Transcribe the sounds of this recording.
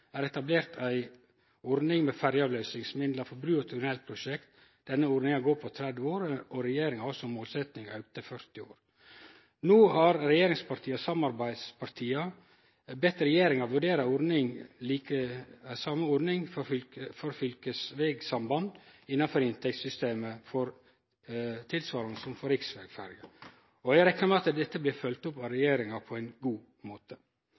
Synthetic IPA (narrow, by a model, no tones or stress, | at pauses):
æːɾɛt̪ɑbleːɾt̪ʰæɪ | ɔɾnɪŋmɛːfæɾjəɑːʋlœʏsɪŋsmɪd̪lɑfɔɾbɾʉːɔt̪ʰɪɡnɛlt̪̚pʰɾʊʃɛkt̪ | d̪̥ɛnːəuɾnɪŋɑɡoːɾpʰɔt̪ʰɾɛd̪ʋəoːɾɔɾɛjeːɾɪŋɔlsɔmoːlsɛt̪nɪŋɑ̰ʉk̚t̪əfœɾt̪ɪo̰ːɾ | noːhɑɾɾɛjeːɾɪŋspʰɑɾʈ̪ʰiːɑsɑmɑɾbæɪd̪spʰɑɾt̪ʰiːɑ | bɛt̪ɾɛjeːɾɪŋɑʋʉɖeːɾɑɔɾnɪŋliːkəsɑməɔɾnɪŋffɔɾfʏlkəsʋeːɡsɑmbɑnd̪ɪnːɑnfɔɾɪnt̪ʰɛk̚t̪sʏst̪eːməfɔɾ | t̪ʰɪlsʋɑːɾɑnəsɔmfɔɾɪksʋeːɡfæɾɡə | ɔæɾɛknəmɛɑt̪d̪ɛt̪ːəblɪːfœlt̪ʊpɑɾɛjeːɾɪŋɑpʰɔɛɪnɡuː | moːt̪ʰə